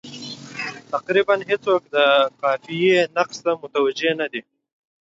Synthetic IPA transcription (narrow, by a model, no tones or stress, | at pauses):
t̪aqɾibanɦet͡sok̚d̪əkɑfijenaqst̪amʊt̪awad͡ʒenad̪i